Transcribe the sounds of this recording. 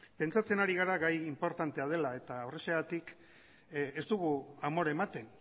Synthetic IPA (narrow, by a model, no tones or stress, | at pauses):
pe̞nt͡sat͡se̞naɾiɣaɾaɣajimpo̞ɾt̪ant̪e̞að̞e̞lae̞t̪aoreseɣat̪ik | est̪uɣuamo̞ɾaemat̪e̞n